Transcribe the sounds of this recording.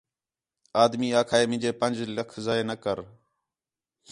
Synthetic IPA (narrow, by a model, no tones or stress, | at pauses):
aːd̪miːaːkʰaːeːmɪ̃d͡ʒeːpə̃nd͡ʒləkʰzaeːnəkəɾ